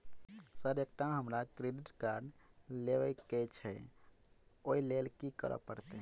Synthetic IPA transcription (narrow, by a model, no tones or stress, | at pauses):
səɾek̚ʈaɦəmɾakɾeɖiʈkaɾɖleʋəkɛt͡ʃʰɛ | oilelkikə̰ɾə̰pəɾt̪eɦ